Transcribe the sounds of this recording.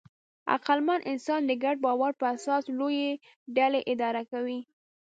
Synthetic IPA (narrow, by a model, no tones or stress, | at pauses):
a̰qalmanʔɪnsɑnd̪əɡaɖ̚bɑwaɾpəasɑsloje | ɖaleʔɪd̪ɑɾakawi